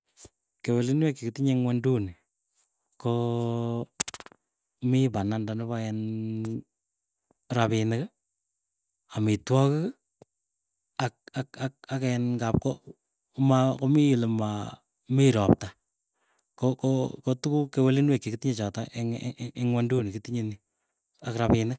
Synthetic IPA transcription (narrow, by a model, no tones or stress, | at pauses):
kewelinwekːikɪtiɲeŋwɛnduni | ko | mipanandanɪβaɛn | ɾapɪnɪk | amitwɔkɨk | ak̚akak̚akɛnŋɡap̚ko | makomiɪlema | miɾɔp̚ta | kokokotukukewelinwekːikɪtiɲet͡ʃɔtaʔeŋeŋwandunikitiɲeni | akɾapɪnɪk